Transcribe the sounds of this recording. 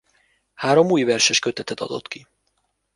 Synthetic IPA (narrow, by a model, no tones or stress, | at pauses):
haːɾo̞muːjvɛrʃɛʃkø̞t̪ɛt̪ɛt̪ɒ̰d̪o̞̰t̪ki